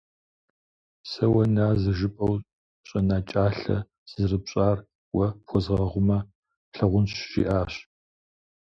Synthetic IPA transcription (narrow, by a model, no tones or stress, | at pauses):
sɐwɐnaːzɐʒɪpʼɐw | ɕʼɐnaːt͡ʃʼaːɬɐ̰ | z̥ɨrɨpɕʼaːr | wɐpʰxʷɔzʁɐʁʷʊmɐ | ɬɐʁʷʊnɕʒ̥ḭʔaːɕ